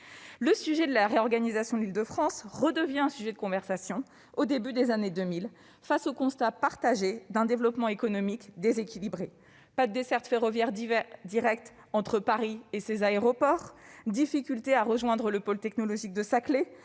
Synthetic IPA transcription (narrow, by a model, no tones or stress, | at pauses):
ləsyʒɛd̪əlaʁeɔʁɡanizasjɔ̃d̪lild̪əfχɑ̃sʁəd̪əvjɛ̃ɛ̃syʒɛd̪əkɔ̃vɛʁsasjɔ̃ | od̪ebyd̪ezaned̪ømil | fasokɔ̃st̪apaʁt̪aʒed̪ɛ̃d̪evlɔpmɑ̃ekɔnɔmikd̪ezekʲilibʁe | pad̪əd̪esɛʁt̪feʁɔvjɛʁd̪iʁɛk̚t̪ | ɑ̃t̪χəpaʁiesezaeʁɔpɔʁd̪ifikʲylt̪eaʁəʒwɛ̃d̪ʁələpolt̪ɛknɔlɔʒik̚d̪əsakle